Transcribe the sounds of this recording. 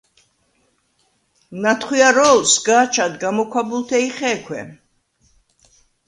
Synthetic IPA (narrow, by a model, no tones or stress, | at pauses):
nat̪ʰχwiaɾɔlsɡaːt͡ʃʰad̪ɡamɔkʰʷwabulˠt̪ʰɛiχɛːkʰwɛ̰